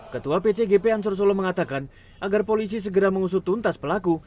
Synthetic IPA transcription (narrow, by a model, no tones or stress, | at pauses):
kət̪uapet͡ʃeɡepeans̬ɔrs̬olɔməŋat̪akan | ʔaɡarpolis̬is̬əɡəɾaməŋus̬ʊt̪unt̪aspəlaku